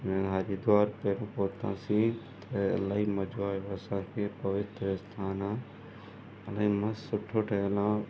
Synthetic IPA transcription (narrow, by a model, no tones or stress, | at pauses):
mɛ̃ːɦaːɾid̪ʊaːɾpeːɾõpoːt̪ã̰sĩt̪ʰɐɐ̰laːɦimɐd͡ʒoaːjoɐsãːkʰeːpɐʋɪt̪ɾəst̪ʰaːnaː | ɐlaĩmɐ̃sʊʈʰoːʈʰɐlã